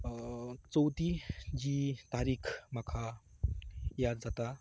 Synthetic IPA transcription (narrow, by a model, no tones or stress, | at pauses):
t͡sɔwt̪id͡ʒit̪aɾikʰmɐkʰa | jad̪zat̪a